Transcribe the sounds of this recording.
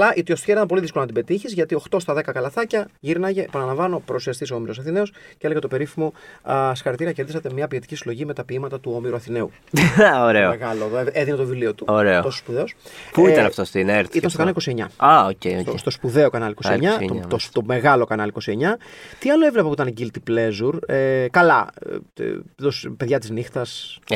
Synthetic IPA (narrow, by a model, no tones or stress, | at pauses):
lɐʔit̪iost̪çeɾit̪ɐmp̬oliðiskolonɐt̪ibet̪içizʝɐt̪io̞xt̪o̞st̪ɐðe̞kɐkɐlɐθɐcɐʝiɾnɐʝepɐnɐlɐɱvɐno̞pɾousiɐst̪iso̞miɾo̞sɐθine̞osceeleɣɐt̪o̞pe̞ɾifimo̞sxɐɾt̪iɾiɐceɾðisɐt̪e̞mɲɐpiet̪i̥cisilo̞ʝime̞t̪ɐpiimɐt̪ɐt̪uo̞miɾuɐθine̞u | oɾeoeɣɐloðoeðinet̪ovilio̞t̪uoɾeot̪osospuðeospuiɐnɐft̪ost̪ineɾit̪ɐnst̪okɐnɐliko̞sie̞ɲɐ̰ɐocḛoost̪o̞spuðe̞o̞kɐnɐlikosieɲɐot̪ome̞ɣɐlo̞kɐnɐliko̞sie̞ɲɐt̪iɐlo̞evlepɐpuit̪ɐnɟilt̪iple̞zuɾekɐlɐ̰ | t̪ospeðʝɐt̪iznixt̪ɐs